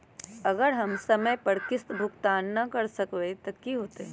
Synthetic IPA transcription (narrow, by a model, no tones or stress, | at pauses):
ɐɡəɾɦɐmsɐməjpɐɾkɪst̪bʱʊkt̪aːnːɐkɐɾsɐkwet̪ɐkiɦoːt̪eɛ